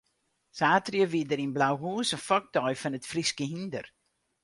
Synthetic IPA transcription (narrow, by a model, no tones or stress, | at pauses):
saːtrjəʋiədəɾinblawɦuːsənfɔk̚dɔjfɔnətfriskəɦində̰r